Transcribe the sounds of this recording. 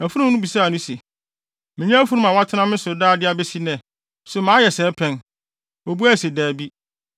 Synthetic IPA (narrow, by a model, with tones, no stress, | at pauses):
æ˨fu˦ũ˦nʊ̃˦bi˨saː˦˨nʊ̃˦se˨ | mɪ̃˨ɲɛ̃˦æ˦fu˦nũ˦mã˨wa˦tʰɪ˦nã˦mɪ̃˦sʊ˨daː˦˨dɪ˦a˦bɛ˦si˦nɛ̃˨ | sʊ˨mã˦jɛ˨sɛː˨˦pʰɛ̃˦n | o˨bu˦æ˦˨se˨daː˨bi˦